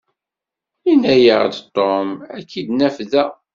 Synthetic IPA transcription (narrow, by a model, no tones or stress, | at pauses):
inæjəʁd̪t̪ˤːomækʰːid̪næfðæ